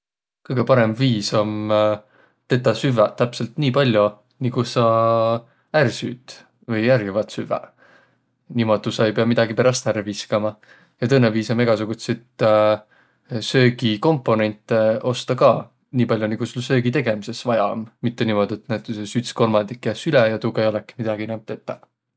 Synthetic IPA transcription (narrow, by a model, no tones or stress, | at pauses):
kɯjɡ̥e̞pɑɾe̞mviːso̞m | t̪e̞t̪ːɑsyvet̪ːæpse̞lt̪niːpɑlʲju | nikusɑ | ærsyːd̪̥ | vɤjærjivɑt̪syvḛ | nimo̞d̪ˑusɑejpe̞ɑmid̪̥ɑɡipe̞ɾɑst̪æɾviskɑmɑ | jɑt̪ɤnːeviːsɑme̞ɡ̥ɑsuɡ̥ut̪set̪ | sø̞ːɡiko̞mpːˑo̞ne̞nʲt̪ˑːeo̞st̪ɑkɑ | niːpɑlʲjoniɡ̥usulːsø̞ːɡit̪e̞ɡ̥e̞mise̞svɑjɑmmit̪ːe̞nimo̞d̪iet̪næt̪ːˑusesyt̪sko̞lmɑnd̪ikːjæsylejɑt̪uɡejo̞lɛki̥mid̪̥ɑɡ̥ienæm̚t̪ːe̞t̪ːˑɑ